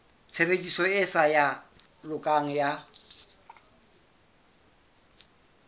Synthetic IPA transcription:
t͡sʰebedʼisɔɪsaja | lʊkʼaŋ̩ja

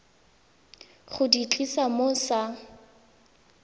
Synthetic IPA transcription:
χʊdit͡ɬʼisamosa

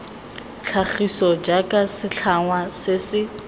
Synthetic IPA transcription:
t͡ɬʰaχisɔd͡ʒakʼasɪɬʰaŋwasɪsɪ

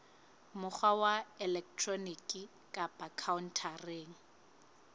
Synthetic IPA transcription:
mʊk͡xʰwawaɛlɛk̚tʰrɔnikʼɪ | kʼabakʰaʊn̩tʰareːŋ̩

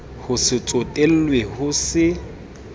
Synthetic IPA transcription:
hʊsɪt͡sʼotʼel̩lwehʊsɪ

